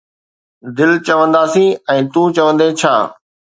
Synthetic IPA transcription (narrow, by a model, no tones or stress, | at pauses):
d̪ɪlt͡ɕəʋə̃nd̪aːsĩːɛ̃ːt̪ũːt͡ɕəʋə̃nd̪eːt͡ɕʰaː